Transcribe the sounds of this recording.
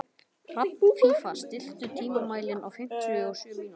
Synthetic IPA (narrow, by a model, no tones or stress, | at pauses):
rat̪̚nfʰifast̪ɪl̥t̪ʏt̪ʰiːmamaːjlɪna̰wfɪm̥t̪ʰʏows